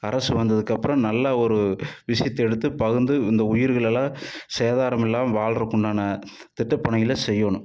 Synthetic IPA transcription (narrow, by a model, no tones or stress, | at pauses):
ɐɾɐsɯʋɐnd̪ɐðɯkːɐpːɯɾɐ̃nɐlːɐɔɾɯʋɪʂɐjɐt̪ːɛɽɯt̪ːɯpɐɣɯnd̪ɯɪnd̪ɐʊjɪɾɣɐɭɛlːãːseːðaːɾɐmɛlːaːmʋaːɭɾɯkːʊɳɖaːnɐ | t̪ɪʈːɐpːɐɳɐjɪlɐsɛjːoːɳʊ̃